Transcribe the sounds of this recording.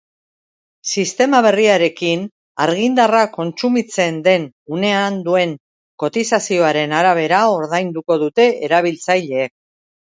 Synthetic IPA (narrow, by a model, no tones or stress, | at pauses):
sist̪e̞maβ̞e̞riaɾe̞kin | aɾɣ̞ind̪arako̞nt͡sumit͡se̞nd̪e̞n | une̞and̪ue̞ŋ | ko̞t̪isasio̞aɾe̞naɾaβ̞e̞ɾao̞ɾðajnd̪uko̞ðut̪e̞ʔeɾaβ̞ilt͡sajʎe̞ːk̚